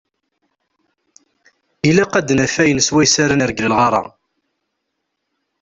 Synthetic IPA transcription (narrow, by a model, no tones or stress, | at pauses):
ilæqæd̪næfæjənswæjsaɾanəɾəɡləlʁɑɾˤɑ̰